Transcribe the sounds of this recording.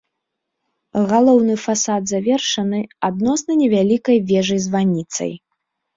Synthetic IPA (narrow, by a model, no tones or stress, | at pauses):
ɣalˠɔwnɨfasad̪zavʲɛrʂɐnɨad̪nɔsnɐnʲɛvʲalʲikɐjvʲɛʐɐjzvanʲit̪sɐ̰j